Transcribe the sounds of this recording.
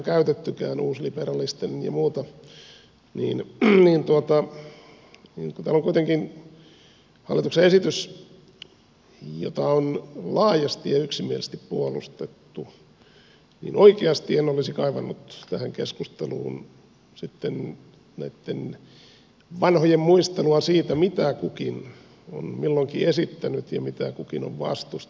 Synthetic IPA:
kæyt̪et̪ːykæːnuːsliperɑlist̪enjɑ̰muːt̪ɑ | nḭːnniːnt̪uot̪ɑ | niːnkut̪æːloŋkuit̪eŋkin | hɑ̰lːit̪ukseesit̪ys | jo̰t̪ɑonlɑːjɑst̪ijɑyksimielest̪ippuolṵst̪et̪ːu | nḭːnʔoikeɑst̪ienolisikɑiʋɑnːut̪t̪æhæŋkeskust̪elṵːn | sit̪ːen | næit̪ːen | ʋɑnhojemmuist̪eluɑsiːt̪æmit̪ækukin | o̰nmilːoŋkiesit̪ːænyt̪jɑmit̪ækukino̰ʋʋɑ̰st̪us

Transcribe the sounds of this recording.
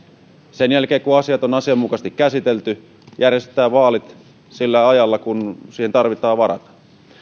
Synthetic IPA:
senjælk̟eːkuɑsiɑt̪onɑsiɑmːukɑst̪ikːæsit̪elt̪y | jærjest̪ˑæːʋɑːlit̪ | silːæɑjɑlːɑkunsiːhent̪ɑrʋit̪ɑːʋɑɾɑ̰t̪ɑ̥

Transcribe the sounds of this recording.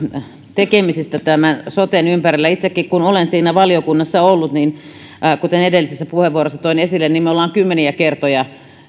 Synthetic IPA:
t̪ekemisist̪æt̪æmænsot̪enympærilːæit̪sekːikkunolensiːnæʋɑlijokunːɑsːɑolːut̪nin | kut̪enedelːisesːæpuheʋʋuorosːɑt̪oinesilːennimeolːˑɑːŋkymːeniækert̪ojɑ

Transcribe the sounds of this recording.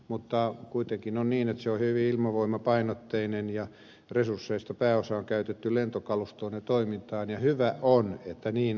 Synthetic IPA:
mut̪ːɑkuit̪eŋkinonniːnet̪seohyʋiilmɑʋoimːɑpɑinot̪ːeinenjɑ | resursːeist̪ɑpæːosɑoŋkæyt̪et̪ːylent̪okɑlust̪onːet̪oimint̪ɑːnjɑhyʋæʔonet̪ːæniːn

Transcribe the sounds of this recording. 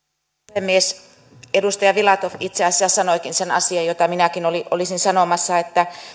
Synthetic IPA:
hemːies | edust̪ɑjɑʋilɑt̪ofit̪seɑsːæssɑnoikinsenɑ̰siɑjot̪ɑminækinoliʔo̰lisinsɑnomɑsːɑet̪ːæ

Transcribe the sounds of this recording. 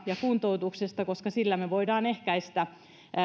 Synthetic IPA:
jɑkunt̪out̪uksest̪ɑkoskɑsilːæmeʋoidɑːnehkæist̪æ

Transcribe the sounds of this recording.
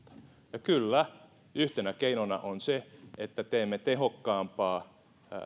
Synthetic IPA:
t̪ɑ̥ | jɑkylːæ | yht̪enækeinonɑ̰ʔonseet̪ːæt̪eːmːet̪ehokːɑːmpɑː

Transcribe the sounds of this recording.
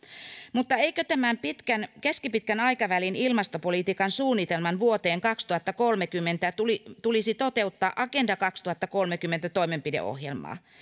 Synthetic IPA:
mut̪ːɑeikøt̪æmæmpit̪kænkeskipit̪̚kænɑjkɑʋælinilmɑst̪opolit̪iːkɑnsuːnːit̪elmɑnʋuot̪e̞ːŋkɑkst̪uhɑt̪ːɑkolmekymːent̪æt̪ulit̪ulisit̪ot̪eut̪ːɑːʔɑkendɑkɑkst̪uhɑt̪ːɑko̞lmekymːent̪æt̪o̞imempidḛʔo̰hjelmɑ̰ː

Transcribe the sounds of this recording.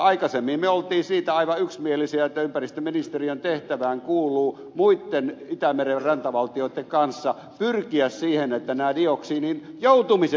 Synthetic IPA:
ɑikɑsemːimmøolt̪iːsiːt̪æɑiʋɑyksmielisiæet̪ːæympærist̪øminist̪eriont̪eht̪æʋæːŋkuːlˑuː | muit̪ːenit̪æmererrɑnt̪ɑʋɑlt̪ioit̪ːeŋkɑnsːɑ | pyrkiæssiːhenet̪ːænæːdioksiːninjout̪umise

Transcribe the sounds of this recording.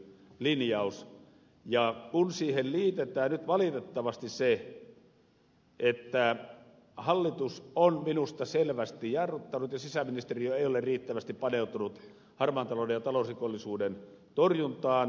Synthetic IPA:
linjɑˑus | jɑkunsiːhelliːt̪et̪æːnnyt̪ʋɑlit̪et̪ːɑʋɑst̪ise | ʔet̪ːæ | hɑlːit̪usʔonminust̪ɑselʋæst̪ijɑrʋut̪ːɑnut̪jɑsisæminist̪erioeˑioleriːt̪ːæʋæst̪ippɑneˑut̪unut̪ | hɑrmɑnt̪ɑlodejjɑt̪ɑlosrikolːisuːden | t̪orjunt̪ɑːn

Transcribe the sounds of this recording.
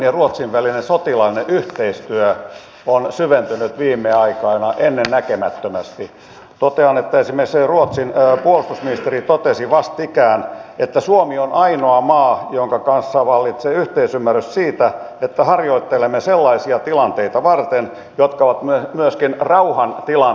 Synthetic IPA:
neruot̪siʋʋælinensot̪ilɑineʔyht̪eist̪yø | onsyʋent̪ynyt̪ʋiːmːeɑikɑinɑʔenːennækemæt̪ːømæst̪i | t̪ot̪eɑnet̪ːæesimekseruot̪sinpuolust̪usminist̪erit̪ot̪esiʋɑst̪ikæːnet̪ːæsuomionʔɑinoɑmɑːjoŋkɑkɑnsːɑʋɑlːit̪seyht̪eisymːærːyssiːt̪æ | et̪ːæhɑrjoit̪ːelemːeselːɑisiɑt̪ilɑnt̪eit̪ɑʋɑrt̪en | jot̪kɑoʋɑt̪mymyøskinrɑuhɑnt̪ilɑ

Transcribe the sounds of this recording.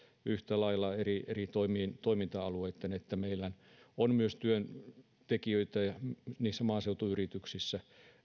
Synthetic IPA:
yht̪ælɑilːˑɑerierit̪oimiːnt̪oimint̪ɑɑlueit̪ːenet̪ːæmeilːæn | onmyøst̪yøn | t̪ekiøit̪æjɑniːsːæmɑːseut̪uyrit̪yksisːæ

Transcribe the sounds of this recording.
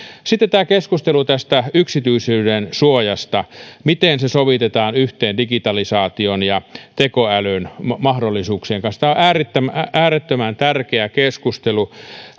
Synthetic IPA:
sit̪ːet̪æːkeskust̪elut̪æst̪æyksit̪yisyːdensuojɑst̪ɑmit̪eˑnsesoʋit̪et̪ɑːnyht̪eːndikit̪ɑlisɑːt̪ionjɑt̪ekoælønmɑhdolːˑisuːkseːŋkɑnst̪æoʔæːret̪ːømʔæːɾet̪ːømænt̪ærkeækeskust̪elu

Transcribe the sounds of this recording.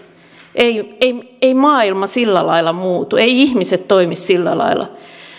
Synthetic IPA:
ʔeieieimɑːilmɑsilːælɑilɑmuːt̪ueiihmiset̪t̪oimissilːæ̰lɑ̰ilɑ̰

